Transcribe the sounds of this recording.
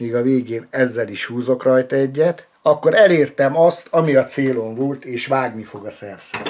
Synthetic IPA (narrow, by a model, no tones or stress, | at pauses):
iːɡɒveːɡeːnɛzːɛliʃhuːzo̞krɒjt̪ɛɟːɛt̪ | ɒkːo̞ɾɛleːrt̪ɛmɒst̪ʰɒmiɒt̪seːlo̞ɱvo̞lt̪eːʃʋaːɡnifo̞ɡɒsɛrsɛ